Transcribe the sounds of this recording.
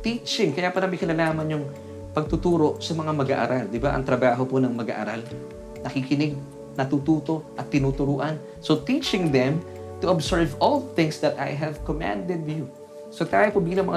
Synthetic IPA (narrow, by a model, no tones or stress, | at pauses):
t̪it͡ʃɪŋkɐjapɐnamɐjkɪnɐlaːmɐnjʊŋ | pɐɡ̚t̪ʊt̪uːɾo̞ʔsɐmɐŋamɐɡa̰ʔa̰ɾald̪ɪbaʔɐ̰ŋt̪ɾɐbaːɦo̞ponɐŋmɐɡa̰ʔa̰ɾal | nɐkikɪnɪɡ̚ | nɐt̪ut̪uːt̪o̞ʔɐt̪ːɪnuːt̪ʊɾuːʔɐn | so̞t̪it͡ʃɪŋd̪ɛm | t̪ʊʔɐbsɛɹvolθɪ̃ŋsd̪ɐt̪a̰jɦɛvkomã̰nd̪ɛd̪̚ju | sɐɡ̚t̪aːjopobiːlɐŋmɐŋa